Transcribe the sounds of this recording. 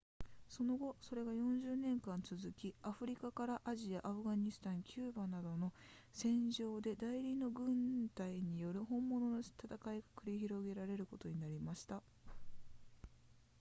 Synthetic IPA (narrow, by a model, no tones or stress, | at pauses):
so̞no̞ɡo̞so̞ɾe̞ɡajõ̞ɲ̟d͡ʑɨːnẽ̞ŋkãnt͡sɨzɨkʲiaɸɯ̟ɾʲikakaɾaʔaʑiaʔːɸɯ̟ɡaɲ̟isɨ̥t̪ãŋkʲʰɨːbanad̪o̞no̞ | sẽ̞ɲ̟d͡ʑo̞ːd̪e̞d̪aiɾʲino̞ɡɯ̟̃nt̪aiɲ̟ijo̞ɾɯ̟hõ̞mːo̞no̞not̪at̪akaiɡakɯ̟ɾʲiçiɾo̞ɡe̞ɾaɾe̞ɾɯ̟ko̞t̪o̞ɲ̟inaɾʲimaɕi̥t̪a